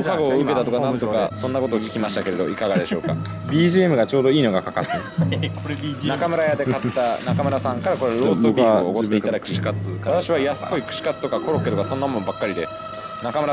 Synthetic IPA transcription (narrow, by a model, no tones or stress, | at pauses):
kaɡo̞ːɯ̟ke̞t̪at̪o̞kanãnt̪okasõ̞nːako̞t̪o̞ːkʲi̥kʲimaɕit̪ake̞ɾe̞d̪o̞ikaɡad̪e̞ɕo̞ːka̰ | bʲiːʑiemɯ̟ɡat͡ɕo̞ːd̪o̞iːno̞ɡakaka̰t̪ːa | nakamɯ̟ɾajad̪e̞kat̪ːanakamɯ̟ɾasãŋkaɾako̞ɾeɾoːsokaoːkot̪ːeit̪ad̪akʲiβat̪aɕiβaiasɨ̥poikɯ̟̥ɕi̥kat͡sɨ̥t̪o̞kakʰo̞ɾokːeɾebasonːamõmbakːaɾʲid̪e | nakamɯ̟ɾa